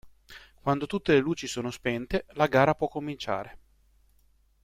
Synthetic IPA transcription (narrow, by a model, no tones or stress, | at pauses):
kwand̪ot̪ut̪ːeleluːt͡ʃisoːnospɛnt̪elaɡaːɾapwɔkːomːint͡ʃa̰ːɾe